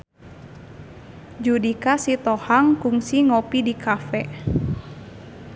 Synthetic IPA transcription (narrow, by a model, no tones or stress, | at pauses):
d͡ʒudikasit̪ɔhaŋkuŋsiŋɔpidikʰafɛ